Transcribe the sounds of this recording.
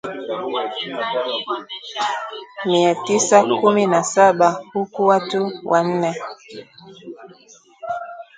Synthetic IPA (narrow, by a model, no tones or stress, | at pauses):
miatisakuminasaɓahukuwatuwʔan̩nɛ